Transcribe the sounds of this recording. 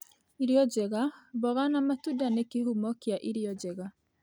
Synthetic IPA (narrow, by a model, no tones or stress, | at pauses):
iɾjɔd͡ʑɛɣaβɔɣanamatudanekihumɔkjaʔiɾiɔd͡ʑɛɣa